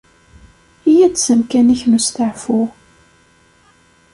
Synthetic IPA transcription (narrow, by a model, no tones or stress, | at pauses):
ijæd̪səmkæniçnust̪əʕfʊ